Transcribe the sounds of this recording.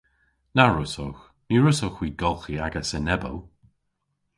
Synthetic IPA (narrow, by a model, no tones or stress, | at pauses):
naɹʊsox | miːɹʊsoxwiːɡɔlˠxiaɡəsənɛbə̰l